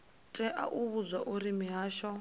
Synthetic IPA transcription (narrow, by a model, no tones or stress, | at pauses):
tʼɛʔa̰ʔuβuzʷwaʔuɾimiɦaːʃɔ